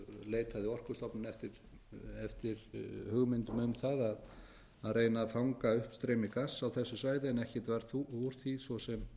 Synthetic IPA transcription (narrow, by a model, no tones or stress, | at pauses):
leːjt̪ʰaðɪɔr̥kʏst̪ɔpnʏnɛft̪ɪɾ̥ | ɛft̪ɪɾhʏɣmɪnt̪ʏmʏmθaðað | aðrejnafawŋkaʏhpst̪ɾejmɪkasːawθɛsːʏsvaːjðɪɛnɛhcɛt̪vaɾθuuɾ̥θisvɔsɛm